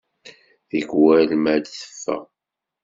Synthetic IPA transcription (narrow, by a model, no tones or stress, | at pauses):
θəɡwælmæd̪θə̥fːæ̰